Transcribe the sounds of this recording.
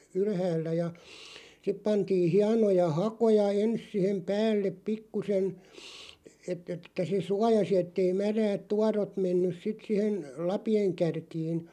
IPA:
ylhæːlːæ jɑ sip pɑntiː hiɑnojɑ hɑkojɑ ens sihem pæːlːep pikːusen etˑ etːæ se suɑjɑsi etːei mæræːt tuɑrot menːys sit sihen̞ lɑpieŋ kærkiːn̞

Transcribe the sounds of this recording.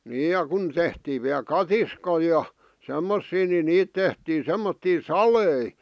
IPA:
niːj jɑ kun tehtiːʋ ʋiæl kɑtiskoi jɑ semːosːiː ni niːt tehtiː semːotːiː sɑlei

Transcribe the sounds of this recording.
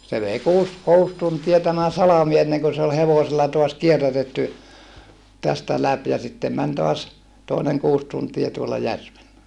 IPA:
se ʋei kuːs kuːs tuntiɑ tæmæ sɑlɑmi enːeŋkø se ol heʋoselːɑ toɑs kierːætetːy tæstæ læp jɑ sitːem mæn toɑs toˑineŋ kuːs tuntie tuolɑ jærʋelːæ

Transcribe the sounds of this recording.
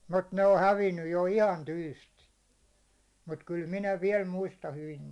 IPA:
mut ne o hæʋinːyj jo ihɑn tyːstin̞ mut kyl minæ ʋiɛl muistɑ hyʋin

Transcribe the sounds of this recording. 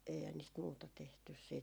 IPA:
eihæn niːst muːtɑ tehtys siːt jɑ

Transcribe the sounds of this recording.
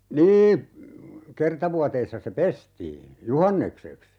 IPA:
niː kertɑ ʋuɑteisːɑ se pestiː juhɑnːekseks

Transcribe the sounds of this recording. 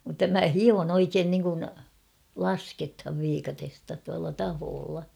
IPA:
mutːɑ mæ hion oikeːn niŋkun lɑskethɑʋ ʋiːkɑtestɑ tuɑlːɑ tɑhoːlːɑ

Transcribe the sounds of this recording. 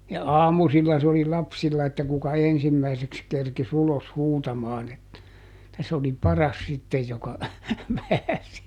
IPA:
jɑ ɑːmusilːɑ se oli lɑpsilːɑ etːæ kukɑ ensimːæiseks kerkis ulos huːtɑmɑːn et tæ sĕ oli pɑrɑs sitːej jokɑ pæːsi

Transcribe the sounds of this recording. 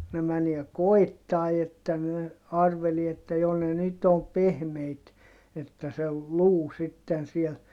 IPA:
ne mæniɛ koi̯tːɑˑi etːæ ne ɑrʋelie etːæ jo ne nyt om pehmeit etːæ se luː sitːen siel

